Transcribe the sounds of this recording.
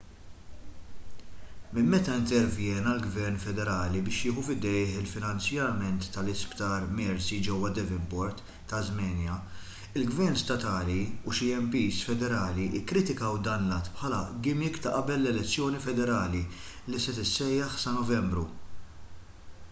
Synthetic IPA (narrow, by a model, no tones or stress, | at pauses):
mɪmːɛt̪ɐɪnt̪ɛɾvjɛːnɐlɡvɛɾnfɛd̪ɛɾɐːlibɪːʃjɪːħufɪd̪ɛjħɪlfɪnɐnt͡sjɐmɛnt̪ːɐlɪspt̪ɐːɾmɛɾsid͡ʒɛwːɐd̪ɛvɪmbɔɾt̪ː | ɐzmɛːnjɐ | ɪlɡvɛɾnst̪ɐt̪ɐːliuʃiɛmpiːsfɛd̪ɛɾɐːliʔɪkːɾɪt̪ɪkɐwd̪ɐːnlɐt̪ːpħɐːlɐɡɪmɪkt̪ɐʔɐbɛlːɛlɛt͡sːjɔːnifɛd̪ɛɾɐːli | lisɛt̪ɪsːɛjːɐħsɐnɔvɛmbɾu